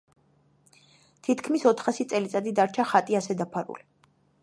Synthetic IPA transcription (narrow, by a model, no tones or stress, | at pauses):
t̪ʰit̪ʰkʰmisɔt̪ʰχasit̪sʼɛlit̪sʼad̪id̪aɾt͡ʃʰaχat̪ʼiasɛd̪apʰaɾṵli